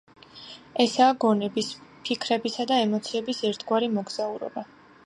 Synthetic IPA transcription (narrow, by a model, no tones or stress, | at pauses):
ɛsaːɡɔnɛbispʰikʰɾɛbisad̪aɛmɔt̪sʰiɛbisɛɾt̪ʰɡwaɾimɔɡz̥auɾɔ̰ba